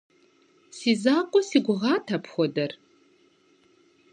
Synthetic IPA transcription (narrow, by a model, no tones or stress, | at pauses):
sizaːqʷʼɔsiɡʷʊʁaːtʰɐpʰxʷɔdɐr